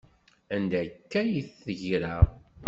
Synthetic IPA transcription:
ænd̪ækːæjiθːəʝɾa

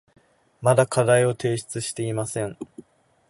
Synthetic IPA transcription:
mad̪akʰad̪aio̞t̪e̞ːɕi̥t͡sɨɕi̥t̪e̞imasẽ̞ŋ

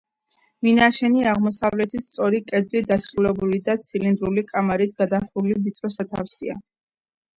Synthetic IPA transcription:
minaʃɛniaʁmɔsavlɛt̪ʰist̪sʼɔɾikʼɛd̪lid̪asɾulɛbulid̪at̪sʰilind̪ɾulikʼamaɾit̪̚ʰɡad̪aχulivit̪ʰʼɾɔsat̪ʰa̰fsia

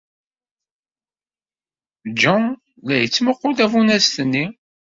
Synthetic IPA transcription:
d͡ʒɑ | læjət͡sːməqːʊd̪ævunæst̪ənːi

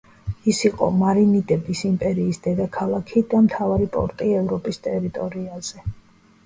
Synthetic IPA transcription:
isiqʼɔ̰maɾinid̪ʼɛbisimpʼɛɾiːsd̪ɛd̪akʰalˠakʰid̪amt̪ʰavaɾipʼɔ̰ɾt̪ʼiɛvɾɔpʼist̪ʼɛɾit̪ʼɔɾiaz̥ɛ

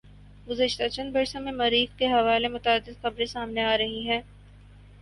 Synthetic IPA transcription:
ɡʊzəʃt̪at͡ʃɐ̃nbɐɾsõmẽmɐɾiːxkeɦɐʋaːlemʊt̪aːd̪ːɪd̪xɐbɾesaːmneaːɾɐɦiɦɛ̃ː

